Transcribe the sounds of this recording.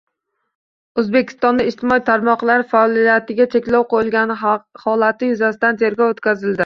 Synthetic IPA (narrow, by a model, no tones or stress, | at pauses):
ɵzbe̞kʲʰɪ̥st̪ɒnd̪aɪʃt̪ʰɪmɒit̪ʰaɾmɒqlˠaɾfaɒlijat̪ɪɡʲat͡ʃʰe̞kʲlɒwqojɪlɡʲanhɒlat̪ʰɪjʊzasɪd̪ant̪ʰe̞ɾɡʲɒwot̪kʲazɪld̪ɪ